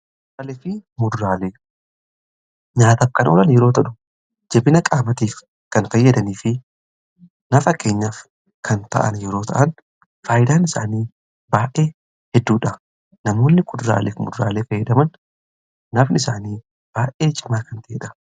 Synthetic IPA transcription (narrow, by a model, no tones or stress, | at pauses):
ɾɐlɛfɪmʊd̪ɾaːle̞ː | ɲaːt̪ɐfkɐnʔoːlɐnjɛɾo̞ːt̪ɐᶑʊ̥ | d͡ʒɛbɪnɐkʼaːmɐt̪iːf | kɐnfɐjːɐd̪ɐniːfɪ | nɐfɐkʰːe̞ːɲːaːf | kʰɐnt̪ɐ̰ʔɐ̰njɛɾo̞ːt̪ʰɐ̰ʔɐn | faːjɪd̪aːnɪsaːniː | baːʔe̞ː | hɛd̪ːuːᶑɐ | nɐmo̞ːnːɪkʼʊd̪ɾa̰ːlḛːfmʊ̰d̪ɾaːle̞ːfɐjːɐd̪ɐmɐn | nɐfnɪɪsaːniː | b̥aːʔʔeːt͡ʃʼɪmaːkɐnt̪ɐʔeːᶑɐ̥